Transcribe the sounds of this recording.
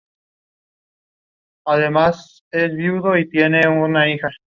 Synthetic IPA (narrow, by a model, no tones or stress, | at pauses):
aðemas | esβjiuðoit̪jeneunaixa